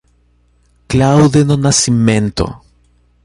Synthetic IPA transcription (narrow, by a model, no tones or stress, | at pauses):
klawðenonasimẽnt̪o̰